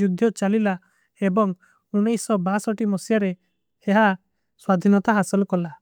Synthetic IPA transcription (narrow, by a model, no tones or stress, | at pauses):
ud̪ʱjɔt͡ʃalila | ebɔŋ | unejsɔbasɔʈimɔsijaɾe | heɦa | swad̪ʱinɔt̪aɦasɔlɔkɔla